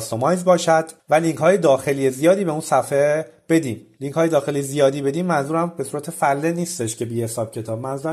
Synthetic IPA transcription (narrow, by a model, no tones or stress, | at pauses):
st̪omɒːjzbɒːʃæd̪̥væliŋcʰhɒːjed̪ɒːxe̞lije̞zijɒːd̪iːbe̞unsæfeb̥e̞d̪iːmliŋkʰhɒːjed̪ɒːxe̞lijezijɒːd̪iːbe̞d̪iːmːænzuːɾæmbe̞suːɾæt̪ʰefælːeniːst̪eʃcʰe̞biːhesɒːb̥̚cʰe̞t̪ʰɒːb̚mænzuːɾ